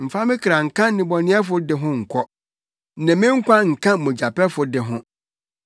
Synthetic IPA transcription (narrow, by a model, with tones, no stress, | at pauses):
m̩˨fa˦mɪ̃˦kʰɾa˨ŋ̩˨kʰã˦nɪ̃˨bɔ˨nɪ̃˦ɛ˦fʊ˦dɪ˨ɦʊ̃˦ŋ̩˨kʷʰɔ˦˨ | nɛ̃˨mɪ̃˦ŋ̩˦kʷa˦ŋ̩˨kʰã˦mʊ̃˨d͡ʑa˨pʰɛ˦fʊ˨dɪ˨ɦʊ̃˦